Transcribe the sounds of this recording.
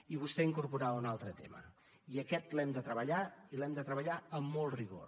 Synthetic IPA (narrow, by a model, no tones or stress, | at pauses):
iβ̞ust̪ɛiŋkuɾpuɾaunalˠt̪ɾət̪ḛmə̰ | iəkɛt̪lɛmd̪ət̪ɾəβəʎailɛmd̪ət̪ɾəβəʎaəmːɔlˠriɣ̞o̰r